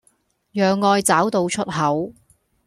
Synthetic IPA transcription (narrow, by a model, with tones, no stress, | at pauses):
jœː˨ŋːɔː˧jt͡saː˨˥wt̪o˧wt͡ʃʰɵ˥t̚hɐ˨˥w